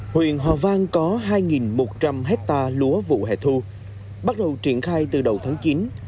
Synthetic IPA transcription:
hwḭ˧˨ənɦwa̰ː˨˩vaː˧ŋkɔ˨˦ɦaː˧jŋi˨˩nmo˨˩t̚t͡ɕa˧mɦɛ˦˥k̚t̪aː˧lu˨˦əvṵ˧˨ɦḛ˧˨t̪ʰu˧ | ɓa˦˥t̚ɗə˨˩wt͡ɕi˧˩ənxaː˧jt̪ɨ˨˩ɗə˨˩wt̪ʰaː˨˦ŋt͡ɕi˨˦n

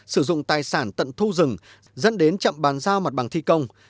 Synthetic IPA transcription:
sɨ˧˩zʊ̰˧˨ŋ͡mt̪aː˨˩jsaː˧˩nt̪ə̰˧˨nt̪ʰu˧zɨ˨˩ŋ | zə̰˧˥nɗe˨˦nt͡ɕə̰˧˨mɓaː˨˦nzaː˧wma˨˩ɓa˨˩ŋt̪ʰi˧kə˧wŋ͡m

